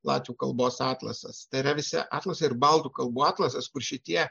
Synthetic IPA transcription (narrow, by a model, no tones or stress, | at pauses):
lˠɑ̰ːt̪ʲʋʲuːkɐlˠboːsɑːt̪lˠɐ̰sɐ̰st̪ɐɪɪɾɐʋʲɪsʲɪ̰ʔɑːt̪lˠɐsɐɪɾbɐlˠt̪uːkɐlˠbuːɑːt̪lˠɐsɐskʊɾʃʲɪt̪ʲiɛ